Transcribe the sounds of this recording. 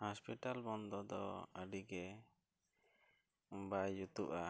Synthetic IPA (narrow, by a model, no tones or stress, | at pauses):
hɔspiʈalbɔnd̪ɔd̪ɔ̰əɖiɡɛ | bajut̪uʔa